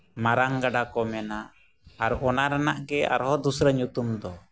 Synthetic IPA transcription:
maɾaŋɡaɖakɔmɛnaː | ɾɔnaɾanaʔɡɛa̰ɾɦɔd̪usɾəɲut̪umd̪ɔ

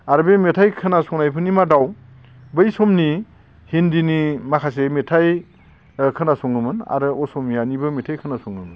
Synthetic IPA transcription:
aɾbemetʰajkʰɯnasɔŋnajpʰɯnimadaw | bɯjsɔmni | hindinimakʰasemetʰaj | kʰɯnasɔŋnɯmɯna̰ɾɯɔsɔmnianibɯmetʰajkʰɯnasɔŋnɯmɯn

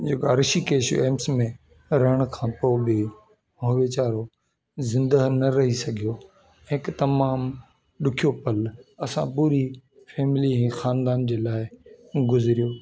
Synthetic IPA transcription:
d͡ʑeːkaɾɪʃikeːʃeːmsmẽ | ɾɐɦəɽ̃kʰãːpoːbɪ | ɦoʋeːt͡ɕaːɾo | zɪ̃nd̪ənɐɾɐɦisɐɡʱijo | ɦɪkt̪ɐmaːm | ɗʊkʰijopɐlɐsã̰puːɾi | fɛːmɪliɦɛ̃xaːnd̪aːnd͡ʑeːlaːɪɡʊzɪɾijoː

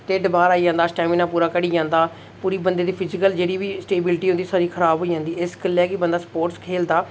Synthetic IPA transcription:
t̪eːɖbaːɾaːiːd͡ʒãːnd̪aːsʈɛːmiːnãːpuːɾaːkəɽiːd͡ʒãːnd̪aː | puːɾiːbənd̪eːd̪iːpʰɪzɪkəld͡ʒeːɽiːʋiːsʈeːbɪlʈiːɦʊ̃nd̪iːsaːɾiːkʰəɾaːbɦoːiːd͡ʒãːnd̪iːɪskəlɛːkɪbənd̪aːspoːʈskʰeːld̪aː

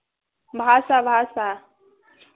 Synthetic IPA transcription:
bʱaːsaːbʱaːsaː

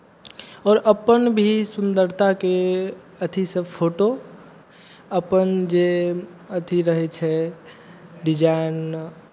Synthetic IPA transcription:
ɔːɾʔəpənbʱisʊ̃nd̪əɾt̪ʰake | ət̪ʰisẽpʰoːʈo | əpənd͡ʒe | ət̪ʰiɾəɦet͡ʃʰɛ | ɖɪd͡ʒaːɪn

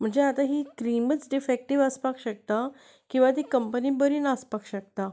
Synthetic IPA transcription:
m̤əɳd͡zeat̪aɦikɾimət͡sɖifek̚ʈiʋəspakɕək̚t̪a | kĩw̃ʋat̪̬ikəmpənibəɾinaspakɕək̚t̪a

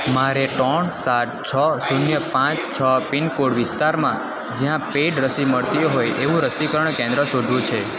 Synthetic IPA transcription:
maɾeʈɔɳsaʈ̚t͡ʃʰəsunjəpãt͡ʃt͡ʃʰəpinkoɽʋɪst̪aɾmã | d͡ʒjãpeʈɾəsiməɭt̪iɦojʔeʋũɾəsikəɾəɳkẽnd̪ɾəsod̪ʱʋũt͡ʃʰe

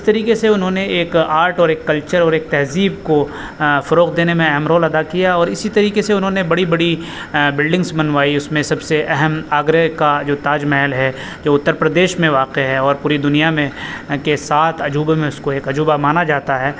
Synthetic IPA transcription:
d͡ʒɪst̪ɐɾiːkeseʊnɦõneeːkaːɾʈɔːɾeːkːɐlt͡ʃəɾɔːɾeːk̚t̪ɛɦziːbko | fɐɾoːqd̪eːnemẽɛɦɛmɾɔːlɐd̪akijaɔːɾɪsit̪ɐɾiːkeseʊnɦõnebɐɽibɐɽi | bɪlɖɪ̃ŋɡzbɐnʋaːiʊsmẽsɐbseʔɛɦɛmaːɡɾəkad͡ʒoːt̪aːd͡ʒmɛɦɛlɦɛ | d͡ʒoːʊt̪ːəɾpɾɐd̪eːʃmẽʋaːqeɦɛɔːɾpuːɾid̪ʊnijamẽkesaːt̪ʰɐd͡ʒuːbmẽʊskoeːkɐd͡ʒuːbamaːnad͡ʒaːt̪aɦɛː

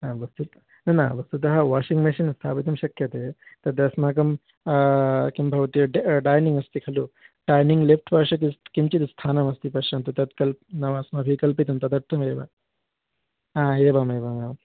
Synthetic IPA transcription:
aːʋɐst̪ut̪ | nɐna̰ʋɐst̪ut̪ɐɦɐʋaːʃiŋɡmeʃinst̪ʰaːpit̪̬ɐmʃɐkjɐt̪et̪ɐd̪ɐsmaːkɐm | kimbʱɐʋɐt̪iɖɖaːjniŋɡɐst̪ikʰɐluɖaːjniŋɡlefʈʰpɐɾʂɐk̬iskint͡ʃit̪st̪ʰaːnɐmɐst̪ipɐʃɐnt̪ɐt̪ɐd̪kɐlnɐʋɐɐsmaʋʱikɐlpit̪̬ɐmt̪ɐd̪ɐɾt̪ʰɐmjeːba̰ | aːeːbameːbamam

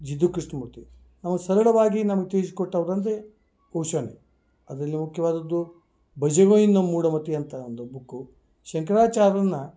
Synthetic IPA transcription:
d͡ʒid̪ukɾiʂɳɐmut̪i | nɐmɐsɐɾɐɭɐʋaːɡinamɐɡet̪eːs̬i̥kɔʈːɐʋɐɾɐnt̪e | kowʃɐne | ɐd̪ɾɐlːimukʰjɐʋaːd̪ɐd̪ːu | bɐd͡ʒɐɣoːjind̪ɐmuːɽɐmɐt̪ijɐnt̪ɐond̪ubukːu | ʃɐŋkɐɾaːt͡ʃaːɾɐnːɐ

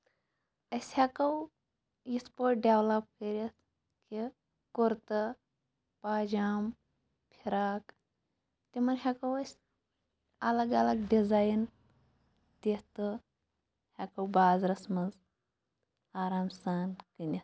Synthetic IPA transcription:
ɐsʲhakɐw | jispoːʈ̚ɖʲewlɐp̚kɐɾʲis | ki | koɾt̪ɨ | paːd͡ʒaːm | pʰiɾaːk | t̪ʲimɐnɦʲakɐwɐsʲ | ɐlɐɡɐlɐɡɖizaːjn | t̪iht̪ɨ | hʲakɐwbaːzɾɐsmɐnz | aːɾaːmsaːnkɨnʲis

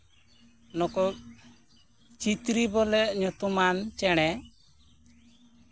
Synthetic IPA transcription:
nɔkɔ | t͡ʃit̪ɾibɔlɛʔɲɔt̪umant͡ʃɛɽ̃ɛ

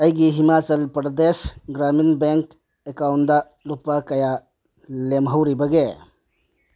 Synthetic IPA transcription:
əjɡiɦimaːt͡ʃəlpɾd̪eːsɡɾaːminbeŋk | ekaʊnd̪a | lupakɐja | lemɦəwɾibəɡe

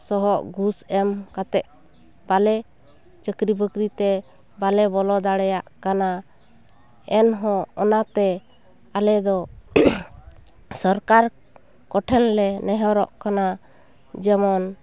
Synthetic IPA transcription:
sɔɦɔʔɡusɛmkat̪ɛʔ̚ | b̥alɛ | t͡ʃəkɾibəkɾit̪ɛ | balɛbɔlɔd̪aɽɛjaʔkana | ɛnɦɔ̃ɔnat̪ɛ | alɛd̪ɔ | sɔɾkaɾ | kɔʈʰɛnlɛnɛɦɔɾɔʔkana | d͡ʒɛmɔn

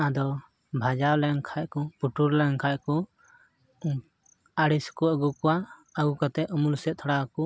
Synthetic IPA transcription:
ʔãd̪ɔ | bʱad͡ʒawlɛŋkʰaʔkɔpuʈuɾlɛŋkʰaʔkɔ | aɽiskɔəɡukɔwaəɡukat̪ɛʔɔmulsɛt̪̚t̪ʰaɽaku

